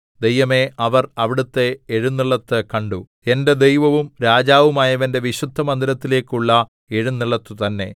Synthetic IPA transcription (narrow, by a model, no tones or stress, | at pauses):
d̪e̞jɐme̞ʔɐʋɐrɐʋiɽut̪ːe̞ːɻunːiɭːɐt̪ːɨkɐɳɖu | e̞nde̞d̪ejʋɐʋumɾaːd͡ʑaːʋumaːjɐʋɐnde̞ʋiɕud̪ʱːɐmɐnd̪iɾɐt̪ːile̞ːkːuɭːɐ | e̞ɻunːiɭːɐt̪ːut̪ɐnːe̞